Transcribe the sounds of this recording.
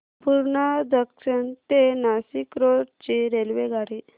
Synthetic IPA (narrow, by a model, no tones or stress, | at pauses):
puɾɳad̪əkʂəɳt̪enasikɾoɽt͡ɕiɾelʋeɡʱaɽi